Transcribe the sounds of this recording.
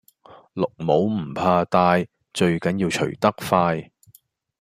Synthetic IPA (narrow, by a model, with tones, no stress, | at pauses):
lʊ˨k̚mo˨˥wm̩˨˩pʰaː˧t̪aː˧j | t͡ʃɵ˧ɥkɐ˨˥njiː˧wt͡ʃʰɵ˨˩ɥt̪ɐ˥k̚faː˧j